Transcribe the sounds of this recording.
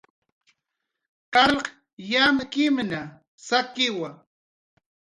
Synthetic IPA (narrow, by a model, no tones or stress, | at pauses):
qɑlq | jamkɪmna | sakɪwa